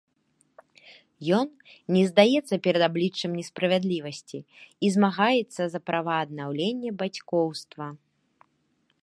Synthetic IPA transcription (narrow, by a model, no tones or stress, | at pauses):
jɔn | nʲɛzd̪ajɛt̪sːɐpʲɛɾɐd̪ablʲit͡ʂːɐmnʲɛspɾɐvʲad̪lʲivɐsʲt͡sʲiːzmaɣajɛt̪sːɐzɐpɾʔavɐːd̪̚nawlʲenʲːɛbat͡sʲkɔwst̪vɐ